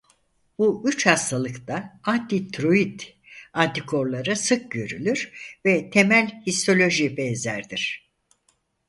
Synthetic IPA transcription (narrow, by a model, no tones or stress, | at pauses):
buʔyt͡ʃhast̪ʰalˠɯkt̪aant̪ʰit̪ʰɾoid̪ | ant̪ikʰo̞ɾlˠaɾɯsɯk̚ɟø̞ɾylʲyɾ̥vɛt̪ʰemælʲhist̪ʰo̞lʲo̞ʒibɛnzæ̰ɾd̪iɾ̥